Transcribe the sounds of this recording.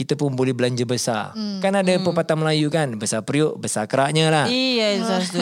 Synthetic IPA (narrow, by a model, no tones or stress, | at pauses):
kit̪apʊnbolɛhbəlaɲd͡ʒəbəsa̰rkanadapəpat̪anməlajukanbəsapɾioʔbəsakəɾaʔɲəlahijza